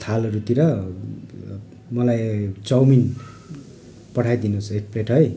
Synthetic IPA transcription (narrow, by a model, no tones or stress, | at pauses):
t̪ʰalʌɾut̪iɾʌ | mʌlajt͡sʌwmin | pʌɽʰajd̪inusʰekʰpreʈʰɦʌj